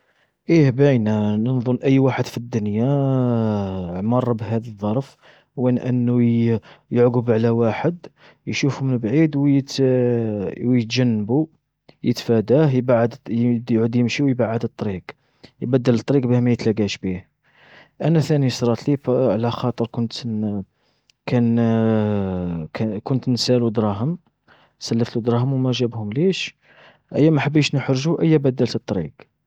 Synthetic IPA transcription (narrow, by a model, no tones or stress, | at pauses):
ʔihbæjnænənðˤʊnʔəjːwaħəd̪fid̪ːʊnja | ʕmɑrˤːbɦæd̪əðˤːɑɾˤf | wənʔənːu | jəʕɡəbʕlæwaħəd̪ | jʃufumənbʕid̪wjət̪ | wjət̪ʒænːəbu | jət̪fæd̪æhjbʕd̪jʕud̪jəmʃiwjbaʕəd̪ət̪ˤːɾiq | jbæd̪ːəlt̪ˤːɾiqbihmæjət̪læɡæʃbih | ʔænæθænisɾˤɑt̪lifʕlæxɑt̪ˤəɾkʊnt̪ | kæn | kʊnt̪nsælud̪ɾˤɑɦəm | sælːəft̪lud̪ɾˤɑɦəmwmæʒæbhʊmliʃ | ʔəjːæmæħəbːiʃnəħɾʒuʔəjːæbæd̪ːəlt̪ət̪ˤːɾḭɡ